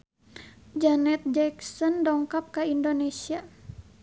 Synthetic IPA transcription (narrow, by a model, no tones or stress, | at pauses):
d͡ʒanɛt̪̚d͡ʒɛksɔndɔŋkap̚kaindonesia